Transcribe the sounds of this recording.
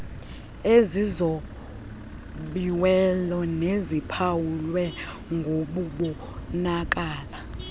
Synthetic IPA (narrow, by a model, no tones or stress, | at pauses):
ezizo | ɓiwɛlɔnezipʰawulwɛ | ŋɡʱoɓuɓu | nak̬ʼaːla